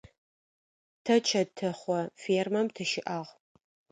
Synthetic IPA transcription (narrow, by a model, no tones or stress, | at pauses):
tʰɐt͡ʃʰɐtʰɨχʷɔfeːrmɐmtʰɐʃɪʔaʁ